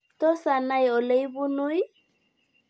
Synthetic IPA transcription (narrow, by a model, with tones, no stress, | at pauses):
tɔ˦sa˨na˦jɔ˨le˦jbu˦nu˦j